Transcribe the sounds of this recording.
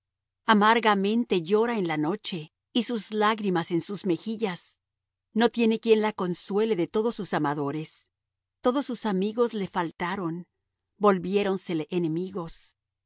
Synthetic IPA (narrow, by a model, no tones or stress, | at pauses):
amaɾɣamẽ̞nt̪e̞ʝo̞ɾae̞nlano̞t͡ʃe̞ | isuzlaɣɾimase̞nsuzme̞xiʝas | no̞t̪je̞ne̞kje̞nlako̞nswe̞le̞ðe̞t̪o̞ðo̞sːusamaðo̞ɾe̞s | t̪o̞ðo̞sːusamiɣo̞zle̞falt̪aɾo̞n | bo̞lβje̞ɾo̞nse̞le̞ʔene̞miɣo̞s